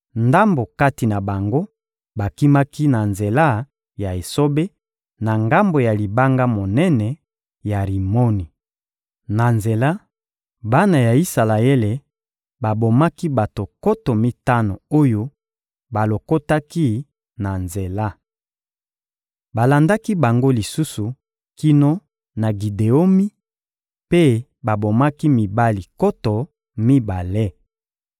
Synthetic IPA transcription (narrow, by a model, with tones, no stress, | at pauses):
nda˦mbo˨ka˦ti˨na˨ba˨ŋɡo˦ | ba˨ki˦ma˦ki˦na˨nze˨la˦ | ja˨e˨so˦be˦ | na˨ŋɡa˦mbo˨ja˨li˨ba˦ŋɡa˦mo˨nɛ˦nɛ˨ | ja˨ʁi˨mo˦ni˨ | na˨nze˨la˦ | ba˦na˨ja˨i˦sa˨la˨e˦le˨ | ba˨bo˨ma˦ki˦ba˨to˨ko˦tɔ˨mi˦ta˦no˨o˦jo˦ | ba˨lo˨ko˦ta˦ki˦ | na˨nze˨la˦ | ba˨la˨nda˦ki˦ba˨ŋɡo˦li˨su˦su˨ | ki˦no˦ | na˨ɡi˨de˨o˦mi˦ | pe˦ | ba˨bo˨ma˦ki˦mi˨ba˦li˨ko˦tɔ˨ | mi˦ba˨le˦